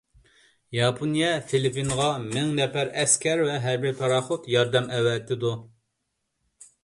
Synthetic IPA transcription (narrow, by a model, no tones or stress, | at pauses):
jɑpʰonijɛt̪ʰelɪpinʁɑmɪŋnɛpæɾɛskʲɛɾvɛɦæɾbɪɾp̪ʰɑɾɑːχot̪jɑɾd̪ɛmʔɛwɛt̪ʰːɪd̪u